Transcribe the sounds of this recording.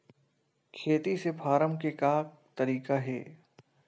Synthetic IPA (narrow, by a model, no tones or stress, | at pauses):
kʰeːt̪isepʰaːɾəmkekaː | t̪ɐɾiːkaɦɛ̰ː